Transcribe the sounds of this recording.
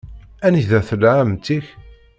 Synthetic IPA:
æniçðæθəlʕamt̪ːiç

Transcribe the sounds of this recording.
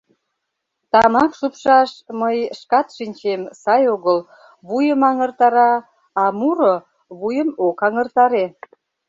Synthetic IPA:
t̪ɑmɑkʃupʃɑʃməjʃkɑt̪ʃinʲt͡ɕemsɑjoɣəl | βujəmɑŋərt̪ɑɾɑ | ɑmuɾo | βujəmokɑŋərt̪ɑɾe

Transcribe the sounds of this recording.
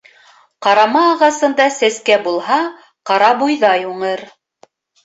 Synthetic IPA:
qɑɾɑmɑːʁɑsɤ̆nd̪ɑsæskæbulˠhɑ | qɑɾɑbujðɑjuɴɤɾ

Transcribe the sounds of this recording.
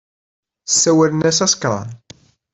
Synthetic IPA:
sːæwælənæsæsə̥kɾˤɑ̰n

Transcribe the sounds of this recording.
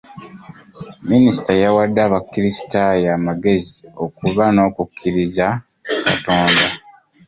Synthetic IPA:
minisi̥tajawadːaːβakːiɾisi̥tajamaɡe̞zio̞kuβano̞ːkukʰːiɾiza | ka̰toːnda

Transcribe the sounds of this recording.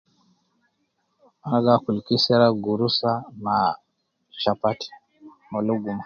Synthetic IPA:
aaɡakulkisɛɾaɡuɾusana | ʃapati̥ | mɔluɡuma

